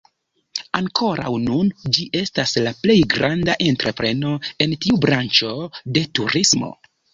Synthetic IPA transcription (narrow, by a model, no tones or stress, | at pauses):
aŋkʰo̞ɾa̰wnund͡ʒiʔe̞staslaple̞jɡɾandaʔe̞ntɾe̞pɾe̞no̞e̞ntiubɾant͡ʃo̞de̞tuɾismo̞̰